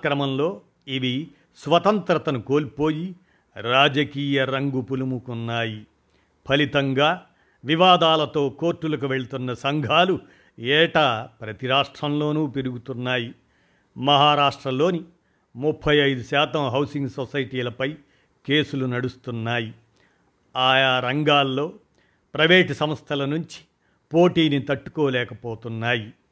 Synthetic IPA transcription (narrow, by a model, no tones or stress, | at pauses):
kɾɐmɐmlo̞ː | iʋi | sʋɐt̪ɐnt̪ɾɐt̪ɐnuko̞ːlpoːji | ɾaːd͡ʒɐkiːjɐɾɐŋɡupulumukunːaːji | pʰɐlit̪ɐŋɡaː | ʋiʋaːd̪aːlɐt̪o̞ːko̞ːɾʈːulɐk̬uʋe̞ɭit̪unːɐsɐŋɡʱaːlu | ɛːʈaːpɾɐt̪iɾaːʂʈɾɐmlo̞ːnuːpiɾuɡut̪unːaːji | mɐɦaːɾaːʂʈɾɐmlo̞ːni | mupʰːɐjɐjd̪uʃaːt̪ɐmɦɐwsiŋɡsosɐjʈiːlɐpɐj | ke̞ːsulunɐɽust̪unːaːji | aːjaːɾɐŋɡaːlːo̞ː | pɾɐʋeːʈsɐmɐst̪ʰɐlɐnuɲt͡ʃi̥ | poːʈiːnit̪ɐʈːu̥koːlɛːkɐpoːt̪unːaːji